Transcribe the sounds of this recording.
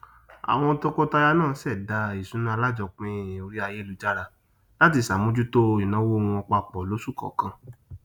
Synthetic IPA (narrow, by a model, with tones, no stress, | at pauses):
a̰˨w̃ɔ̃˧to˦ko˦ta˧ja˧nãː˦˨˦sɛ˦˨da˧i˨sũ˨˦nũ˦a˧la˦˨d͡ʒɔ˧˨k͡pĩ˦˨o˧ɾi˦a˧je˦lu˨˧d͡ʒa˦ɾa˧ | la˦t̬i˧˨sa˨mũ˦d͡ʒu˦to˦i˨nã˨˦wo˦˧ũ˧ɔ˧k͡pa˧k͡pɔ˨lo˨˦su˦˨kɔ̰˨kã˧